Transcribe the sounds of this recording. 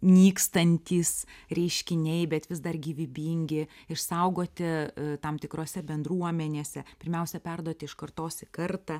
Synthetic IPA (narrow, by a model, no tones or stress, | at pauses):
nʲiːkst̪ɐnʲt̪ʲiːsɾʲɛɪʃʲkʲɪnʲɛɪbʲɛt̪ʋʲɪsd̪ɐrɡʲiːʋʲɪbʲiːŋʲɡʲɪɪʃsɐʊɡoːt̪ʲɪt̪ɐmt̪ʲɪkɾoːsʲɛbʲɛnd̪ɾuɔmʲɛnʲeːsʲɛpʲɪɾʲmʲɛʊsʲɛpʲɛrd̪uɔt̪ʲɪɪʃkɐrt̪oːsʲɪkɐrt̪ɐ